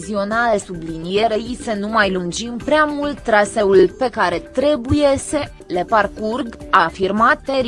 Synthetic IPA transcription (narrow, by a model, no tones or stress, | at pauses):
zio̞nalesublinijeɾeisenumajlund͡ʒimpɾeamult̪t̪ːɾaseulpe̞kaɾe̞t̪ɾe̞bujese | leparkurɡafirmat̪eɾ